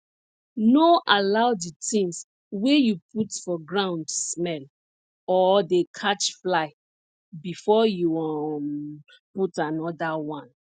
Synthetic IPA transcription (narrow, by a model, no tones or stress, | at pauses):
noʔalaʊditĩŋs | wejupʰutfɔɡɹãʊ̃ndsmɛl | ɔdekʰat͡ʃflaɪ | bifɔjuɔ | putanɔdawãn